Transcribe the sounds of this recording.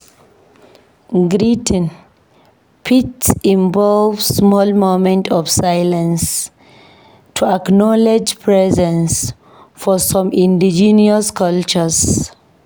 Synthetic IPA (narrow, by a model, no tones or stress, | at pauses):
ɡɾitə̃n | pʰitsĩɱvɔlvsmɔlmomɛ̃ntʰɔfsajlãns | tʰuaknɔled͡ʒpʰɹɛzɛ̃ns | fɔsɔ̃mĩndid͡ʒiniaskʌlt͡ʃəz